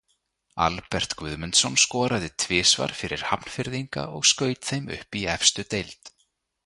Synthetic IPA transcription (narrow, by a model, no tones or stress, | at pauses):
a̰lpɛr̥t̪kvʏðmʏnt̪sɔnskɔːɾaðɪt̪ʰvɪːsva̰ɾ̥fɪɾɪɾ̥hapn̥fɪɾðiŋka̰ɔɣskœːɥt̪θejmʏ̰hpiɛfst̪ʏt̪ejlt̪